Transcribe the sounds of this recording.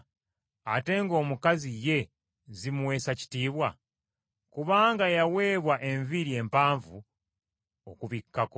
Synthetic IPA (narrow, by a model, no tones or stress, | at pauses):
ate̞ːŋɡo̞ːmukazije̞ | zimuwe̞ːsaci̥tiːβwa | kuβaːŋɡajawe̞ːβwaʔeɱviɾie̞ːmpaːɱvu | o̰kuβikːako